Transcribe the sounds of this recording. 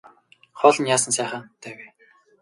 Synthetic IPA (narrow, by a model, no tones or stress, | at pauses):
χɔːɮɞ̆njaːsə̆nsæːχə̆ːnt̪ʰæːwe